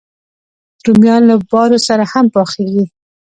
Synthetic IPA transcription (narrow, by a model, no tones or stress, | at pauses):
ɾumjɑnlabɑɾosaɾahampɑxeɡi